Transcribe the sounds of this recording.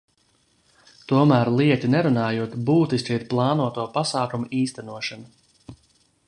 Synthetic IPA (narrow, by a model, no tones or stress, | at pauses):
t̪uɔmæːɾlˠiɛt̪ʲinɛɾunaːjuɔt̪buːt̪iskʲiiɾplˠɑːnuɔt̪uɔpasaːkumuiːst̪ænuɔʃana